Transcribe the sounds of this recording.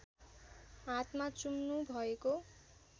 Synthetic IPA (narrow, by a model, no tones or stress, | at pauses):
ɦat̪mat͡sumnubʱʌeko